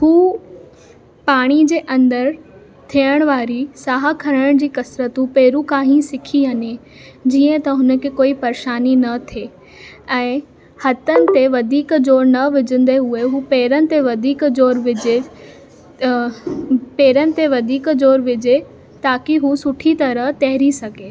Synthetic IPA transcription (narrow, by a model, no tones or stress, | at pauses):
huː | paːɽ̃id͡ʑeːʔɐ̃nd̪əɾ | t̪ʰijəɽ̃ʋaːɾisaːɦakʰɐɾəɽ̃d͡ʑiːkɐsɾət̪ũpeːɾũkaːɦĩsɪkʰiɦɐɲe | d͡ʑiːə̃t̪ɐɦʊnə̆kʰekoːipɐɾʃaːninɐt̪ʰeː | ɛ̃ː | hɐt̪ənɪ̆t̪eʋɐd̪ʱiːkd͡ʑoːɾnɐʋɪd͡ʑə̃nd̪eɦueɦuːpeːɾənɪ̆t̪eʋɐd̪ʱiːkd͡ʑoːɾʋɪd͡ʑe | peːɾənɪ̆t̪eʋɐd̪ʱiːkd͡ʑoːɾʋɪd͡ʑe | t̪aːkiɦusʊʈʰit̪ɐɾəɦt̪ɛɦɪɾisɐɡʱeː